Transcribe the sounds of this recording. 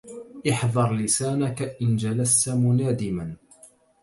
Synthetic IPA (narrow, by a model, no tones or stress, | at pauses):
ʔɪħðˤɑɾˤlɪsaːnakaʔɪnd͡ʒalast̪amʊnaːd̪ɪman